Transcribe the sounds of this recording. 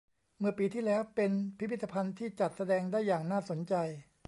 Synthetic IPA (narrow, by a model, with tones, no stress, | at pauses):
mɯ˥˩ɐpiː˧t̪ʰiː˥˩lɛː˦˥wpe˧npʰi˦˥pʰi˥˩t̪ːa˧pʰa˧nt̪ʰiː˥˩t͡ɕa˨˩t̪̚sa˧dɛː˧ŋdaː˥˩jːaː˨˩ŋnaː˥˩so˩˦nt͡ɕa˧j